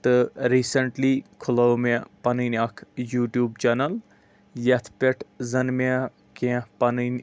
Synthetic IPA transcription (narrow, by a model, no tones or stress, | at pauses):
t̪ɨɾiːsəɳʈlikʰʊləwmẽpɐnɨnɐkʰjuːʈjuːbt͡ʃɐnɐl | jɐt̪ʰpʲeʈʰzɐnmẽ | kẽːpɐnɨn